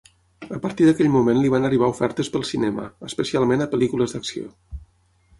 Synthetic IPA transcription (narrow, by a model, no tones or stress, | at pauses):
əpəɾt̪iðəkɛʎmumenliβanəriβ̞aufɛɾt̪əspəlˠsinɛmə̰əspəsialˠmenəpəlikuləzd̪əksio̰